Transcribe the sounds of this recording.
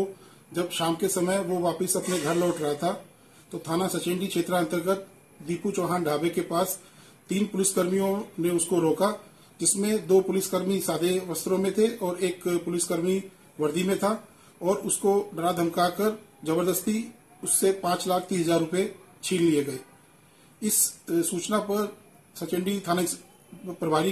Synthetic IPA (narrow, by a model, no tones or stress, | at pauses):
o | d͡ʒɐbʃaːmkesɐməjʋoʋaːpəsɐpneɡʱɐɾlɔːʈɾɐɦat̪ʰa | t̪ot̪ʰaːnasɐt͡ʃẽɳɖikʃeːt̪ɾə̃nt̪əɾɡət̪̚ | d̪iːput͡ʃɔːɦaːnɖʱaːbekepaːs | t̪iːnpʊlɪskəɾmijõneʊskoɾoːka | d͡ʒɪsmẽd̪oːpʊlɪskəɾmisaːd̪ʱeʋɐst̪ɾõmẽt̪ʰeɔːɾeːkpʊlɪskəɾmi | ʋɐɾd̪ʱimẽt̪ʰa | ɔːɾʊskoɖəɾad̪ʱəmkakəɾd͡ʒɐbəɾd̪əst̪i | ʊsːepãːt͡ʃlaːk̚ʰt̪iːɦɐzaːɾːʊpjet͡ʃʰiːllieɡɐeː | ɪsːuːt͡ʃnapɐɾ | sɐt͡ʃɪ̃ɳɖit̪ʰaːn | pɾɐbʱaːɾi